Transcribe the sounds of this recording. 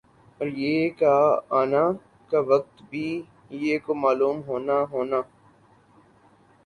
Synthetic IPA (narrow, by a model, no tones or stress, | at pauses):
ɔːɾjeːkaaːna | kaʋək̚t̪bʱiː | jeːkomaːluːmɦoːnaɦoːnaː